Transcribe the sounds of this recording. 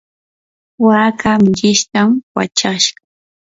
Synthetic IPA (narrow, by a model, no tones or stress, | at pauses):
waːkamʎɪʃt̪amwa̰t͡ʃaʃɢɑ